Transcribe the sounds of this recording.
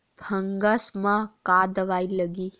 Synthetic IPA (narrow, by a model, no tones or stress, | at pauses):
bʱə̃ŋɡəsmãkaːd̪əʋaːiləɡiː